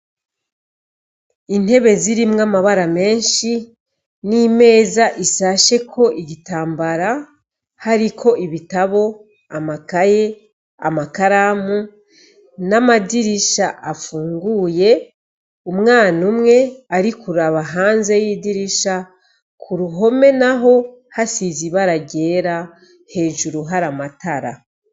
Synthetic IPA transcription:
in̥he̞βe̞ziɾimŋamaβaɾame̞ːnʃi | nime̞ːzaʔisaʃe̞kʰo̞ʔiɟitaːmbaɾa | haɾikʰo̞ʔiβitaβo̞ | amakaje̞ | a̰makaɾamu | namadiɾiʃaʔafuːŋɡuːje̞ | umŋaːnumŋe̞aɾikʰuɾaβaɦaːnze̞jidiɾiʃa | kʰuɾuɦo̞me̞naɦo̞ | hasiziβaɾaɟe̞ːɾa | he̞ːʒuɾuɦaɾamataɾa̰

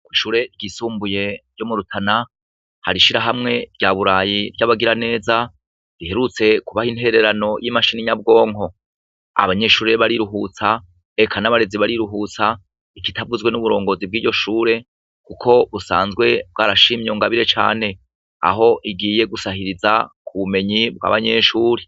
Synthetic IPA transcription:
kwiʃuːɾe̞ɾɡisuːmbuje̞ɾɟomuɾutʰana | haɾiʃiɾaɦamŋe̞bɟaβuɾaːjiɾjaβaɡiɾane̞ːza | ɾihe̞ɾut͡se̞kuβahin̥he̞ɾe̞ɾano̞jʔimaʃiniɲab̚ɡo̞ːŋo̞ | a̰βaɲe̞ʃuːɾe̞βaɾiɾuɦut͡sa | ekʰanaβaɾe̞ziβaɾiɾuɦut͡sa | ikitʰavuzɡwe̞nuβuɾo̞ːŋɡo̞zib̚ɡiːɟo̞ʃuːɾe̞ | kukʰo̞βusa̰ːnzɡwe̞b̚ɡaːɾaʃimjoŋɡaβiɾe̞t͡ʃa̰ːne̞ | a̰ɦo̞ʔiɡiːje̞ɡusahiɾizakʰuβume̞ɲib̚ɡwa̰ːβaɲe̞ːʃuːɾe

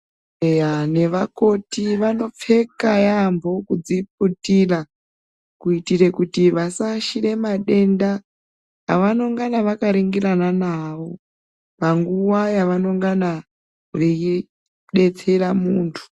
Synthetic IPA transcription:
ane̞ʋako̞tiʋano̞p͡fe̞kajambʱo̞kud͡zip̚utira | kuitire̞kutiʋasaʃiɾe̞maɗe̞nda | ɦaʋano̞ŋɡanaʋakaɾiŋɡiɾananaʋo̞ | paŋɡuwajaʋano̞ŋɡana | ʋei | ɗe̞t͡se̞ɾamuːntʰu̥

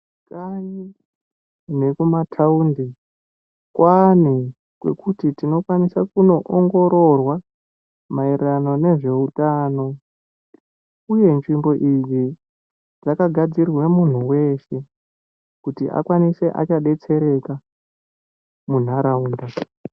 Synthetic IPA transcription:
kaji | ne̞kumatʰaundi | kwʔani | kwe̞̰kutitino̞kwanisakuno̞ʔoŋɡo̞ɾo̞rwa | mairrano̞ne̞ʐe̞utaːno̞ | uje̞nʐimbo̞ʔid͡zi | d͡zakaɡʱad͡zirwwemun̤uwe̞ʃe̞ | kutḭʔa̰kwanise̞ʔa̰t͡ʃaɗe̞t͡se̞ɾe̞ka | mun̤aɾauːnda

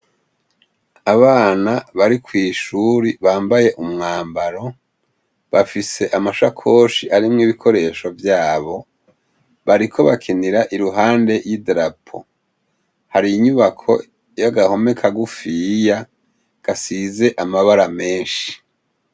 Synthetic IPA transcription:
aβaːnaβaɾikwiːʃuɾiβaːmbaje̞ʔumŋaːmbaɾo̞ | βafise̞ʔamaʃakʰo̞ːʃiʔaɾimŋiːβikʰo̞ɾe̞ːʃo̞vjaːβo̞ | βaɾikʰo̞βakʰeniɾaʔiɾuɦaːnde̞jidɾapʰo̰ | haɾijiɲuβakʰo̞̰ | jaɡaho̞me̞kʰaɡufija | ɡ̥asizeʔamaβaɾame̞ːnʃi̥

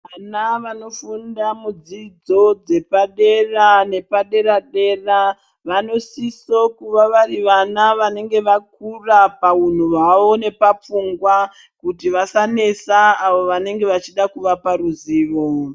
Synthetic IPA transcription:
ʋanaʋano̞fundamud͡zid͡zo̞d͡ze̞paɗe̞rane̞paɗe̞ɾaɗe̞ra | ʋano̞sisokuʋaʋariʋanaʋane̞ŋɡe̞ʋak̚urapaun̤uʋaʋo̞ne̞pap͡fuŋɡwa | kutiʋasane̞saːʋo̞ʋane̞ŋɡe̞ʋat͡ʃiɗakuʋapaɾuziːʋo̞

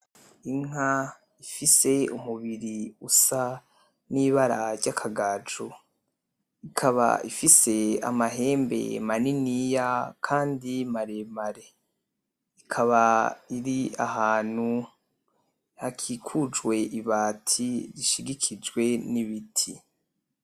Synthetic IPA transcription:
iŋ̥a | ifise̞umuβiɾiusa | niːβaɾaɾɟakʰaɡaːd͡ʒo | ikʰaβa̰ifise̞a̰maɦe̞ːmbe̞̰maninijakʰaːndimaɾemaɾe̞ | ikʰaβaiɾia̰ɦaːn̥hu | hakʰikʰud͡ʒɡwe̞ʔiβaːtʰiɾiʃiɡikʰid͡ʒɡwe̞niβitʰi

